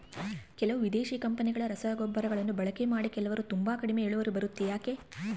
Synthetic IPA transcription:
kɛlɐʋuʋid̪eːʃiːkɐmpɐniɡɐɭɐɾɐsɐːɡobːɐɾɐɡɐɭɐnːubɐɭɐke̞maːɽikɛlɐʋɐɾut̪umbaːkɐɽimeeːɭuʋɐɾubɐɾut̪ːijaːke̞

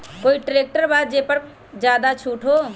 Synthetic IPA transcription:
koːiʈɾeːk̚ʈəɾbaːd̪̚d͡ʒeːpəɾ | d͡ʒjaːd̪at͡ʃʰuːʈʰɦoː

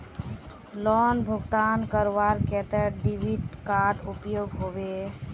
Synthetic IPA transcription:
lɔnbʱʊɡt̪aːnkəɾʋaɾkɛt̪ɛɖibiʈkaɾɖupjoːɡɦoʋe

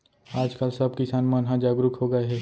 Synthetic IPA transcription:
aːd͡ʒkəlsɐb̚kɪsaːnmə̃nɦãd͡ʒaːɡɾʊkɦoːɡɐeɦɛː

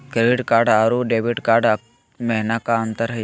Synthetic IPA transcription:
keʋiʈkaɾɖaɾuɖeʋiʈkaɾɖ | meɦnakaənt̪əɾɦə

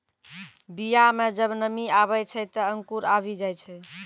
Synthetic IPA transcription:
bijamed͡ʒəbnəmiaβəjt͡ʃʰət̪əəŋkuɾabid͡ʒajt͡ʃʰɛ

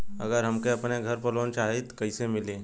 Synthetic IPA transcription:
ɐ̰ɡəɾɦɐmkeɐpneɡʱɐɾpəɾloːnt͡ʃaːɦet̪kɐɪsemɪlẽː

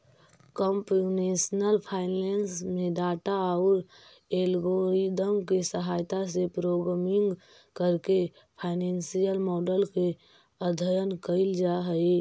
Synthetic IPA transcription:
kəmpunesnəlpʰaːɪnensmẽɖaːʈaɔːɾ | elɡoɾid̪əmkesəɦaːjt̪asepɾoɡɾamɪ̃ŋɡ | kəɾke | pʰaɪnensijəlmɔːɖəlke | əd̪ʱəjənkəɪld͡ʒaɦəi

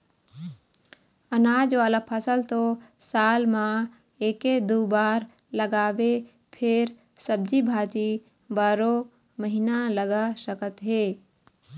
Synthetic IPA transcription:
ənaːd͡ʒʋaːlapʰəsəlt̪osaːlmã | eːked̪uːbaːɾ | ləɡaːwe | pʰɪɾ | səb̚d͡ʒibʱaːt͡ʃi | baːɾo | məɦinaləɡasəkət̪ɦeː

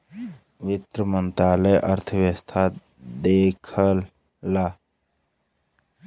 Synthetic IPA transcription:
ʋɪt̪ɾəmənt̪ɾaːləjʔəɾt̪ʰəʋjəst̪ʰa | d̪eːkʰəlː | aː

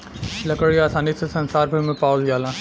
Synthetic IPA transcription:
lɐkəɽiaːsaːnisesɐ̃nsaːɾbʱɐɾmẽpaːljaːlãː

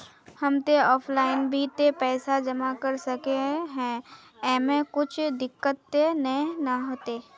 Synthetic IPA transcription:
hɐmt̪eɔːpʰlaːɪnbʱit̪epɛːsad͡ʒɐmakɐɾsɐkeɦɛ̃ː | ɛːmẽkʊt͡ʃʰd̪ɪkːət̪jnənəɦoːt̪eː

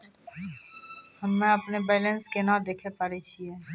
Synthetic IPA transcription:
hɐmːɛ̃ɐpnebɛːlə̃nskenad̪eːkʰepaɾet͡ʃʰieː

